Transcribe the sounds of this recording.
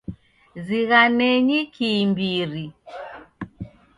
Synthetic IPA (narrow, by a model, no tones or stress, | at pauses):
ziɣanɛɲikʰimbiɾi